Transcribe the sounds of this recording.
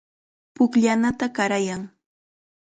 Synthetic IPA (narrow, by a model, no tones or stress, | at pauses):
pʊkʎanat̪akaɾajaŋ